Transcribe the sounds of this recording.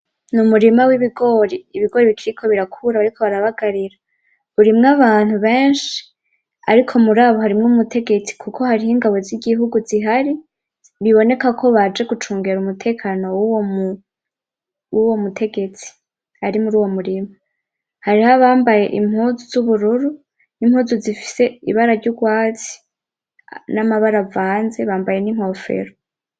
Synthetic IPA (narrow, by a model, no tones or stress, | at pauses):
numuɾimawiβiɡo̞ɾiːβiɡo̞ɾiβikʰiɾikʰo̞βiɾakʰuɾaβaɾikʰo̞βaɾaβaɡaɾiɾa | uɾimŋaβaːn̥huβeːnʃi̥ | a̰ɾikʰo̞muɾaːβo̞ɦaɾimŋoumutʰe̞ɡe̞t͡si̥kʰukʰo̞haɾihiŋɡaβo̞ziɡiɦuɡuziɦaɾi | βiβo̞ne̞kakʰo̞βad͡ʒe̞ɡut͡ʃuːŋɡeɾumutʰe̞ːkʰaːno̞wuwomu | wuwo̞mutʰe̞ɡe̞t͡si̥ | haɾimuɾuːwo̞muɾimu | haɾihaβaːmbaje̞ʔim̥huːzuz̥uβuɾuɾu | nimhuːzuzifi̥se̞iβaɾaɾɟuɡwaːt͡si̥ | namaβaɾavaːnze̞βaːmbaje̞nim̥ho̞fe̞̰ɾo